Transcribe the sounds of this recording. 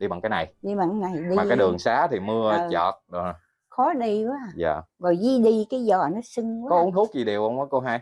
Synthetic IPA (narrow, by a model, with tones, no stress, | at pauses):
ɗi˧ɓa̰ː˧˨ŋkaː˨˦jna˨˩jɗi˧ɓa˧˨ŋa˨˦jna˨˩jɗi˧a˨˩˧aː˨˦ɗɨ˨˩əŋsaː˨˦t̪ʰi˨˩mɨ˧ə˧t͡ɕɔ̰˨˩t̚ɗ | xɔ˨˦ɗi˧kaː˨˦˨za̰ː˨˩ɣɔ˨˩jzi˧ɗi˧kaː˨˦jzɔ˨˩nɔ˨˦sɨ˧ŋaː˨˦kɔ˨˦ʔu˨˦ŋt̪ʰu˦˥k̚zi˨˩ɗe˨˩wʔə˧wɔː˨˦jko˧ɦaː˧j